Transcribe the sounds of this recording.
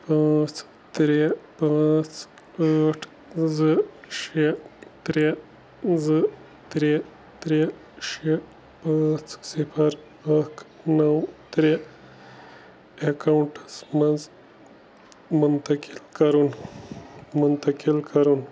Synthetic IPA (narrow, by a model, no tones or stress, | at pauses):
pɐt͡s | t̪ɾepat͡s | aʈʰ | zɨʃet̪ɾe | zɨ | t̪ɾe | t̪ɾe | ʃe | pɐ̃t͡ssifʰɐɾ | ɐkʰ | nɐwt̪ɾe | ekɐwɳʈɐsmɐz | munt̪ɐkilkɐɾun | munt̪ɐkilkɐɾun